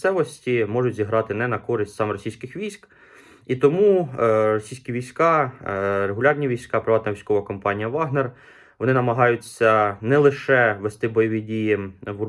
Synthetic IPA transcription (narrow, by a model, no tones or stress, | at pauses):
sɛʋɔsʲtʲimɔʒʊtʲzʲiɦɾɑt̪ɪnɛnɐkɔɾɪsʲtʲsɑmrɔsʲijsʲkɪxʋʲijsʲk | it̪ɔmurɔsʲijsʲkʲiʋʲijsʲkɑ | reɦʊlʲɑrnʲiʋʲijsʲkɑpɾɪʋɑt̪nɐʋʲijsʲkɔʋɐkɔmpɑnʲijɐʋɑɦner | ʋɔnɪnɐmɐɦɑjʊt͡sʲːɐnɛlˠɪʃɛʋest̪ɪbɔjɔʋʲidʲijiʋu